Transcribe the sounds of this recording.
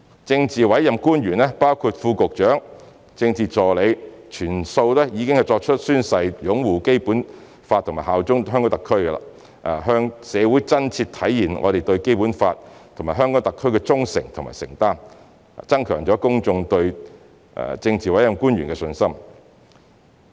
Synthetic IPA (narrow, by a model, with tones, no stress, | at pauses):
t͡sɪ˧ŋt͡siː˨wɐ˨˥jjɐ˨mkuː˥nɥyː˨˩nɛː˥paː˥wkʰuː˧t̚fuː˧kʊ˨k̚t͡ʃœː˨˥ŋ | t͡sɪ˧ŋt͡siː˨˧t͡sɔː˨le˨˧jt͡ʃʰyː˨˩nso˧wlɛː˥jiː˨˧kɪ˥ŋhɐ˨jt͡ʃɔː˧k̚t͡ʃʰɵ˥t̚syː˥nsɐ˧jjʊ˨˥ŋwuː˨˩ke˥jpuː˨˥n | faː˧t̪ʰːmaː˨˩jɦaː˨wt͡sʊ˥ŋɦœː˥ŋkɔː˨˥t̪ɐ˨kʰːɵ˥ɥkɛ˧la̰ː˨˧ | ʔa˨ɦœː˥ŋsɛː˨˧wuː˨˥jt͡sɐ˥nt͡sʰiː˧tt̪ʰɐ˨˥jːiː˨˩nŋɔ̰˨˧ɾe˨˩jt̪ɵ˧ɥke˥jpuː˨˥nfaː˧t̚t̪ʰo˨˩maː˨˩ɦœː˥ŋkɔ˨˥t̪ɐ˨kʰːɵ˥ɥkɛ˧t͡sʊ˥ŋsɪ̰˨˩ŋt̪ʰʊ˨˩ŋma̰ː˨˩sɪ̰˨˩ŋt̪aː˥˩n˨ | t͡sɐ˥ŋkʰœː˨˩ŋt͡ʃɔː˨˥kʊ˥ŋt͡sʊ˧ŋt̪ɵ˧ɥ̰ | t͡sɪ˧ŋt͡siː˨wɐ˨˥jɐ˨˩mkuː˥njɥyː˨˩nkɛ˧sɵ˧nsɐ˥m